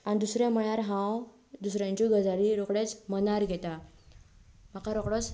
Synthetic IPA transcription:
anid̪usɾẽməɭaɾɦãw | d̪usɾjãɲt͡ɕiɡʱəd͡zaɾiɾokɽet͡smənaɾɡʱet̪a | m̤akaɾɔkɽɔt͡s

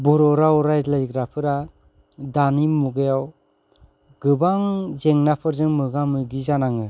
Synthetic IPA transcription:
bɔɾɔɾaɔɾajzlajɡɾapʰɯɾa | danimuɡɯjaw | ɡɯbaŋzeŋnapʰɯɾzɯŋmɯɡamɯjɡizanaŋɯ

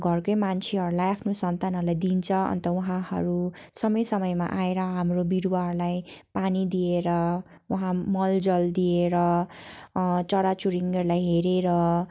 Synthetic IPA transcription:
ɡʱʌrkʌjmant͡sʰeɦʌɾulajapʰnosʌnt̪anɦʌɾulajd̪int͡sʰʌʌ̰nt̪ʌwʌɦãɦʌ̰ɾusʌmʌjsʌmʌjma̰ʔaeɾʌɦamrobiɾuwaɦʌɾulajpanid̪ieɾʌ | waɦãmʌld͡zʌld̪ieɾʌ | t͡sʌɾat͡suɾiŋʌɾlajɦeɾeɾʌ

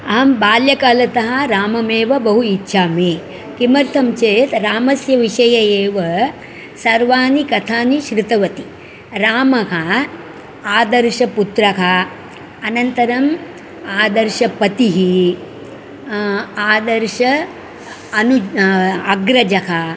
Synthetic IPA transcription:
ɐɦɐmbaːljɐkaːlɐt̪ɐɦɐɾaːmɐmeːʋɐbɐɦuitːʃʰaːmeː | kimɐɾt̪ʰɐmt͡ʃeːjt̪ɾaːmɐsjɐʋiʃɐjɐjeːʋɐ | sɐɾʋaːnikɐt̪ʰaːniʃɾɪt̪ɐʋɐt̪i | ɾaːmɐɦɐ | aːd̪ɐɾʃɐput̪ɾɐɦɐː | nɐnt̪ɐɾɐm | aːd̪ɐɾʃɐpɐt̪iɦi | aːd̪ɐɾʃɐ | ɐnu | ɐɡɾɐd͡ʒɐɦɐ

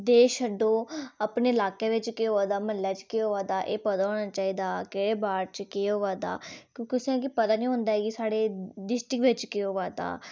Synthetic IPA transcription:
d̪eːʃəɖõːəpneːɪlaːkeːʋɪt͡ʃkeːoːʋaːd̪aːməlːɛːt͡ʃkeːoːʋaːd̪aːʔeːpəd̪aːɦoːɽ̃aːt͡ʃaːiːd̪aːkeːɽeːbaːɾt͡ʃkeːɦoːʋaːd̪a̰ːkjõːkɪʊsãːk̬ipət̪aːnĩːɦʊ̃ːnd̪aːɦɛːɡisaːɽeːɖɪsʈɪkʋɪt͡ʃkeːoːʋaːd̪a̰ː

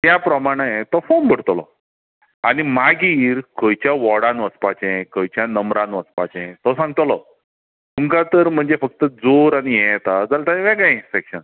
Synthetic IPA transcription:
t̪japɾəmaɽ̃əet̪ɔfombʱəɽt̪lɔ̰ | aɽ̃imaɡiːɾkəjt͡ɕjaʋɔɽãnʋəspat͡ɕẽkəjt͡ɕjanəmɾãnʋəspat͡ɕẽt̪ɔsãŋɡ̚t̪lɔ | tuŋkat̪əɾm̤əɳd͡zefək̚t̪əd͡zoɾaɽ̃ijɛ̃jt̪ad͡zalt̪aʋɛ̃kãsekɕən

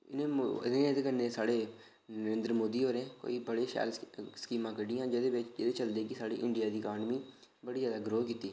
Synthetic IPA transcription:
ɪ̰nẽːɪ̰nẽːd̪eːkənːeːsaːɽeː | nnəɾẽːnd̪ɾmoːd̪iːɦoːɾẽːko̰ːiːbəɽeːʃɛ̰ːlskiːmãːkəɖɪjãːd͡ʒed̪eːbɪt͡ʃd͡ʒed̪eːt͡ʃəld̪eːkɪsaːɽḭːʔɪɳɖɪjaːd̪iːəkaːnmiː | bəɽiːzjaːd̪aːɡɾoːkiːt̪iː

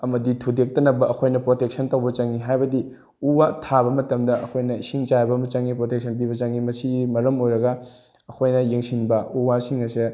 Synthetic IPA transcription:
ɐmɐditʰudek̚tɐnɐbɐʔɐkʰojnɐpɾotek̚sɐntɐwbɐt͡ʃɐŋiɦajbɐdi | uwatʰabɐmɐtɐmdɐɐkʰojnɐisiŋt͡ʃajbɐmɐt͡ʃɐŋːipɾotek̚sʰɐnp̬ibɐt͡ʃɐŋimɐsimɐɾɐmojɾɐɡɐ | ɐkʰojnɐjeŋsinbɐuwasiŋɐse

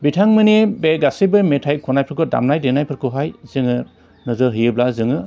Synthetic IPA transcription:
bitʰaŋmɯnebeɡasibɯmetʰajkʰɔnajpʰɯɾkɯda̰mnajdenajpʰɯɾkʰɯɦajzɯŋɯ | nɯzɯɦɯjɯblazɯŋɯ

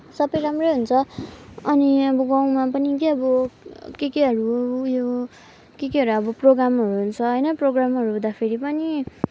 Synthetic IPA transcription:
sʌbʌjɾamrʌjɦunt͡sʰʌʌniʌbʌɡãw̃mapʌnikeʌbʌkekeɦʌɾujo | kekeɦʌɾʌbʌproɡramɦʌɾuɦunt͡sʰʌɦʌjnʌproɡramɦʌɾuɦũd̪apʰeɾipʌni

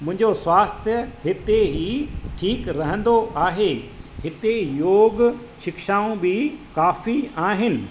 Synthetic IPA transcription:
mʊ̃ɦɪ̃ɲd͡ʑosʋaːst̪ʰjəɦɪt̪eɦiːʈʰiːkɾɐɦə̃nd̪oʔaːɦeːhɪt̪ejoːɡ | ʃɪkʃaːõbikaːfiaːɦɪnɪ̆

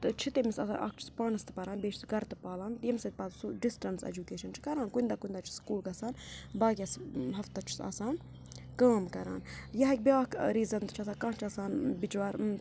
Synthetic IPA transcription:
t̪ɨt͡ʃʰit̪emisɐsa̰ːnʔɐ̰kt͡ʃʰu̥spaːnɐst̪ɨ̥pɐɾãːnbeːt͡ʃʰsɡɐɾt̪ɨpaːlaːnt̪jemsɐt̪̚ʲpɐːt̪suɖisʈɐnsḛd͡ʒukeːʃɐnt͡ʃʰi̥kɐɾaːnkuind̪aːkuind̪aːt͡ʃʰi̥skuːlɡɐsaːnbaːɡʲɐsɦɐft̪ɐt͡ʃʰu̥sa̰ːsaːn | kaːmkɐɾa̰ːnjɐɦɐk̚ʲbʲaːkɾiːzɐnt̪t͡ʃʰɐsaːkɐ̃ːt͡ʃʰɐsaːnbit͡ʃʋaːɾ

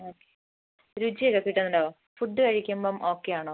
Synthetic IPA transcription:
oːkːe | ɾud͡ʑijekːɐkːiːʈːɐnːɐɖo | fuɖːɨkɐɻikʲːɐmbomʔoːkːejaːɳoː

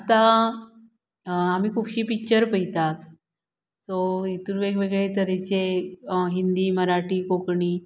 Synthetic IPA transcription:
at̪ã | amiːkʰuːpɕiːpikt͡ɕəɾpəit̪at̪ | soit̪uɾʋeɡʋeɡɭet̪əɾet͡ɕeɦind̪iːməɾaʈiːkokɳiː

